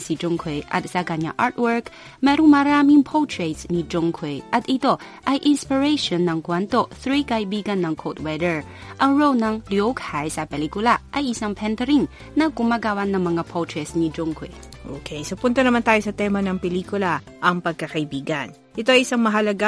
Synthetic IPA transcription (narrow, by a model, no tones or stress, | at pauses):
sid͡ʒoŋkʰɛjʔɐ̰t̪̚sɐkɐɲa̰ʔaɹt̪̚wɛɹk | mɛːɾoŋmɐɾaːmɪŋpʰot̪ɹɛt̪snid͡ʒoŋkʰwɛjʔɐt̪ʔɪt̪o̞ | ʔɐjʔɪnspɪɹɛjʃonːɐŋkwɛnt̪o̞θɾikɐʔɪbiːɡɐnːɐŋkʰot̪wɛd̪ɛɹ | ʔɐŋɹownɐŋljokhajsɐpɛliːkʊlaʔɐjʔɪsaŋpʰɛnt̪ɛɾiŋ | nɐɡʊmaːɡaːwɐnɐŋmɐŋapʰowt̪ɹɛsnid͡ʒʊŋkwɛ̰ | ʔo̰ːkʰɛjsopʊnt̪ɐnɐmant̪aːjo̞sɐt̪ɛmɐnɐŋpɛliːkʊla | ʔɐŋpɐɡ̚kɐkɐʔɪbiːɡɐn | ʔɪt̪oɐjɪsaŋmɐɦɐlɐɡa